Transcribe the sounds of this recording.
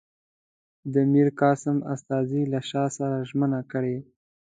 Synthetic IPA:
d̪əmiɾkɑsɪma̰st̪ɑzilaʃɑsaɾaʒmənakəɽe

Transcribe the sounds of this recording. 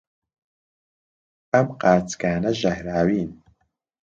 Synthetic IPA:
ɐmqaːɾt͡skaːnɐʒɐhɾaːwiːn

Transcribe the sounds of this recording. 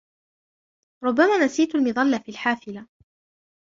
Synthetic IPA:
ɾˤʊbːamaːnasiːt̪ʊlmɪðˤɑlːafiːlħaːfɪla

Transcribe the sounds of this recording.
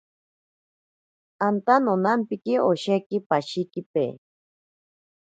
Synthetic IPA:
ant̪anonampikioʃekipaʃikipḛː

